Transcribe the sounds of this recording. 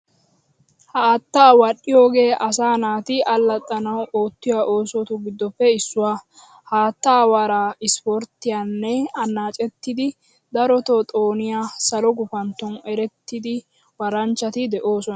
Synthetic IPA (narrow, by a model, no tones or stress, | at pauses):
hɐːt̪ːawɐɗːɪjo̞ːɡe̞ːʔɐsaːnaːt̪ɪʔɐlːɐt̪ʼːɐnɐwoːt̪ːɪjaʔo̞ːsɔt̪ʊɡɪd̪ːɔpːɛɪsːʊwaː | haːt̪ːaːwaːɾaɪspɔɾt̪ːɪjanːɛɐnːaːt͡ʃʼɛt̪ːɪd̪ɪ | d̪ɐɾɔt̪ɔt̪ʼo̞ːnɪjasɐlɔɡʊfɐnt̪ːɔnɛɾɛt̪ːɪd̪ɪ | wɐɾɐnt͡ʃːɐt̪ɪd̪ɛʔoːsɔnɐ